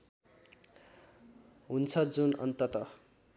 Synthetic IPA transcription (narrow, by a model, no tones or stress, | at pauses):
ɦunt͡sʰʌd͡zunʌ̰nt̪ʌt̪ʌ